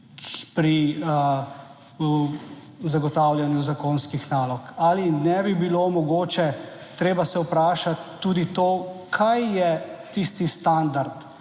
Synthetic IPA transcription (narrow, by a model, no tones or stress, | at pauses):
pɾiə | zaɡɔt̪aːwljanjuzakoːnskixnaːlɔkalinɛbibilomɔɡoːt͡ʃɛt̪ɾeːbasɛupɾaːʃat̪ːuːd̪it̪oːkʰajːɛt̪ist̪ist̪and̪aɾt̪